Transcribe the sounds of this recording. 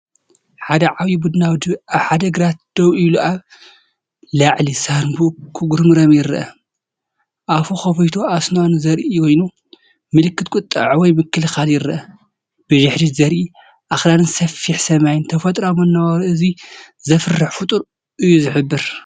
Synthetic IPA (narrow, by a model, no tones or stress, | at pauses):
ħad̪ɐʕawibud̪ɨnawd̪ɨaβħad̪ɐɡɨɾat̪̚d̪̥ɐwiluʔaβ | laʕlisanbukʰɨɡuɾmɨɾɐmjɪɾɐʔɐ | ʔafoxɐfɐjt̪ʰo̞asnonzɐɾʔiikʰojnu | mɨlɨkːɨt̪̚kʼut̪ʼːɐ̰ʕwɔjmɨkːɨlɨxaljɪɾɐʔɐ | b̥ɨʒɪħdizɐɾʔi | ʔaxlanɨnsɐfːiħsɐmajnt̪ʰɐfɐt̪ʼɾawmɐnːɐwaɾɨzi | zɐfɨrːɨħfut̪ʼuɾ | ʔɨjːuzɨħɨbːɨɾ